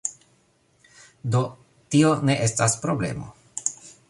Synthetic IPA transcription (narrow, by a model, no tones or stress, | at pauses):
d̪o̞ | tione̞ʔestaspɾo̞blḛmo̰